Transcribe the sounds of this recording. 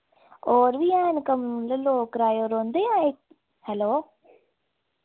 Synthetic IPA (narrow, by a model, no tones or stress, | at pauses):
oːɾʋijaːnkɐmlɐloːkɾaːjoːɾond̪ɐjaːek̚ | hɛloː